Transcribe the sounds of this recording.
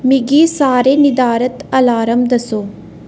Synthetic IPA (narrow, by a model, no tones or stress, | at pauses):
miɡisaːɾenid̪aːɾɐt̪ɐlaːɾɐmd̪ɐsoː